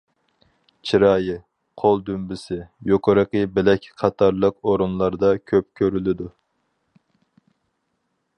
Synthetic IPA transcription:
t͡ʃʰiɾɑːjɨ | qʰolˠd̪ymbɪsɪjoqʰəɾəqəbɪlɛkʲqʰɑt̪ʰɑɾlˠəqoɾunlˠɑɾd̪ɑkʲʰøp̚kʲʰøɾylɪd̪u

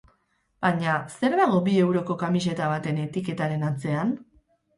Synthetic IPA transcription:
b̥aɲase̞ɾðaɣ̞o̞bie̞wɾo̞ko̞kamis̬e̞t̪aβat̪e̞ne̞t̪ike̞t̪aɾe̞nat͡se̞an

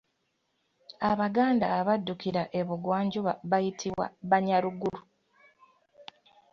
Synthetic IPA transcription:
aβaɡaːndaːβadːukiɾaʔeβuɡwaːɲɟuβaβajitʰiwa̰βaɲaluɡulu

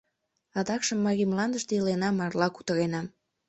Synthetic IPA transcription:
ɑd̪ɑkʃəmːɑɣimlɑnd̪əʃt̪eilenɑmɑrlɑku̥t̪əɾenɑm

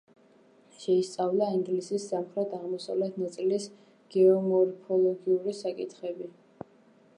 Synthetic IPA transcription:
ʃɛist̪sʼavlˠaiŋɡlisisːamχɾɛt̪ʰaʁmɔsavlɛt̪ʰnat̪sʼilis | ɡ̥ɛɔmɔɾpʰɔlˠɔɡiuɾisakʼḭt̪ʰχɛbi

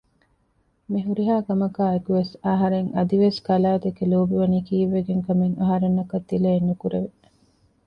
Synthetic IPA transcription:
miɦuɾiɦaːkɐmɐkaːekuʋesaɦɐɾeŋʔɐd̪iʋeskɐlaːt̪ekeloːbiʋɐniːkiːʋːeɡeŋkɐmeŋɐɦɐɾenːɐkɐt̪ːileːnːukuɾeʋe

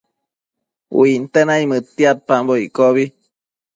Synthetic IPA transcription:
wuint̪ənaimɨt̪ːiat̪̚pamboikoβi

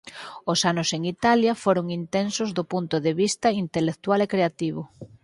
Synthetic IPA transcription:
osanʊseŋit̪aljɐfoɾʊŋint̪ensʊzðopunt̪ʊðeβist̪ɐint̪elek̚t̪walekɾeat̪iβʊ

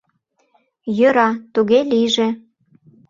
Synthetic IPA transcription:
jøɾɑt̪uɣeliʒe

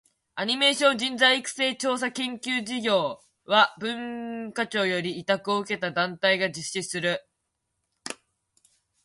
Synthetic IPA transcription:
aɲ̟ime̞ːɕõ̞ɲd͡ʑĩnd͡zaiːkɯ̟̥se̞ːt͡ɕo̞ːs̬akẽ̞ŋkʲɨːd͡ʑiɡʲo̞ː | βabɯ̟̃ŋkat͡ɕo̞ːjo̞ɾʲiːt̪akɯ̟o̞ɯ̟ke̞t̪ad̪ãnt̪aiɡad͡ʑɨɕːisɨɾɯ̟

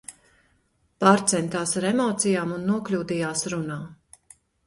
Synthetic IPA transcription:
paːɾt̪sɛnt̪aːsaɾemɔːt̪sijaːmunːuɔklʲuːd̪ijaːsɾunaː

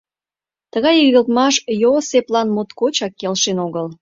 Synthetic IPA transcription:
t̪əɣɑjiɣəlt̪mɑʃjoseplɑnmot̪kot͡ɕɑkːelʃenoɣəl

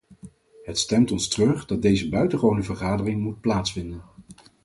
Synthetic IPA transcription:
ɦətstɛmtɔnstrɵχdɑt̚dejzəbœɥtəχownəvəɹχaːdərɪŋmut̚plaːtsfɪndən

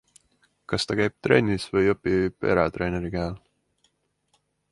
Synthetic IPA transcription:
kɑst̪ɑkæjb̥̚t̪ɾe̞̰nʲisvɤjopːib̥e̞̰ɾɑt̪ɾe̞ːne̞ɾikæːl

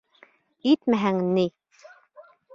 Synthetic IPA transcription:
it̪mæɦæŋni

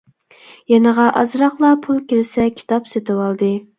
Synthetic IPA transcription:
jɛnəʁɑʔɑzɾɑχlˠɑpʰulˠkʲiɾɪsɛkʲʰi̥t̪ʰɑpset̪ʰɪwɑlˠd̪ɨ

